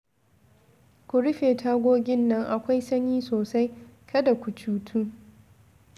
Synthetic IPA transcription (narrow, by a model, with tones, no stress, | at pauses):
kʷʊ˨ɽʊ˦ɸeː˨tʰaː˦ɡʷoː˦ɡʲɪ˦nːɐ˦ŋʔa˨kʷa˦jsɐ˦ɲiː˦soː˨sa˦j | kʰɐ˦da˨kʷu˨t͡ʃuː˦tʰuː˦